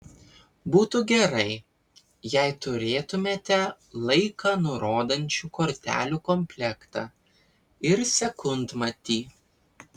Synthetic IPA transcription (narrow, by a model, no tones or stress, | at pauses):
buːt̪ʊɡʲɛɾɐɪ | jɛɪt̪ʊɾʲeːt̪ʊmʲeːt̪ʲɛ | lˠɐɪkɑːnʊɾoːd̪ɐnʲt͡ʃʲuːkɔɾʲt̪ʲæ̰ːlʲuːkɔmʲpʲlʲɛkt̪ɑ | ɪɾsʲɛkʊnt̪mɐt̪ʲiː